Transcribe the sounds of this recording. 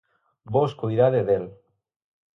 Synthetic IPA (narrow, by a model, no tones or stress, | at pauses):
boskujɾaðeðel